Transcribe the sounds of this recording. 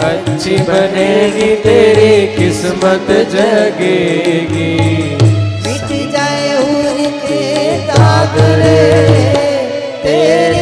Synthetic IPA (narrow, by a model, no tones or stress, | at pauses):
ɐtːʃʰibɐneɡit̪eːɾikɪsmət̪d͡ʒɐɡeɡi | d͡ʒa | baːd̪ | e